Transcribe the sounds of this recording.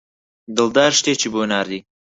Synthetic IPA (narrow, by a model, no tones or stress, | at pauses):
d̪ɨld̪aːɾʃt̪eːt͡ʃʰibonaːɾd̪iː